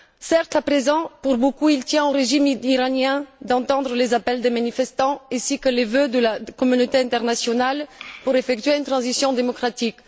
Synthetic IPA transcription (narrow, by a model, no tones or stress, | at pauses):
sɛʁt̪apχezɑ̃puʁbokuilt̪jɛ̃oʁeʒimiʁanɛ̃d̪ɑ̃t̪ɑ̃d̪ʁəlezapɛld̪emanifɛst̪ɑ̃ɛ̃sikəlevød̪əlakɔmynot̪eɛ̃t̪ɛʁnasjɔnalpuʁefɛk̚t̪ɥeynt̪χɑ̃zisjɔ̃d̪emɔkχat̪ik